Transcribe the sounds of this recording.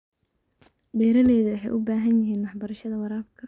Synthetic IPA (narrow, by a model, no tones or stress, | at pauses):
dɛːɾɐlɛːðɐwɑħɑ̰jʔʊbaːɦɐnjɐɦiːnwɑħbɐɾɐʃɐðɐwɑɾaːlkʰɐ